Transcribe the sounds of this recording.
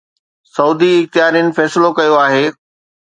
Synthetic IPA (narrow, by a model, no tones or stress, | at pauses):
sɐuːd̪iɪxt̪ɪɦaːɾiʊnɪ̆fɛːsɪlokɐjoaːɦeː